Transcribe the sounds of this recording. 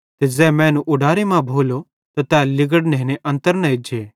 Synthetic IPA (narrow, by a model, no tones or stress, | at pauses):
t̪ed͡zɛːmɛ̃ːnũʔʊɖaːɾemãbʱoːlo | t̪at̪ɛːlɪɡəɽneɦneʔɐ̃nt̪əɾnɛed͡ʒʱeː